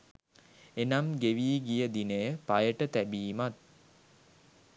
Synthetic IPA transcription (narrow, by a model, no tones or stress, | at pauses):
enamɡeʋiːɡijəd̪inəjəpajəʈət̪æbiːmat̪̚